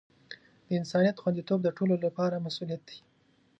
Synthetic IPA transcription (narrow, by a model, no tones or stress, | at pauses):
d̪̥əɪnsɑnijat̪xwand̪it̪ob̚d̪əʈololapɑɾamasulijat̪̚d̪i̥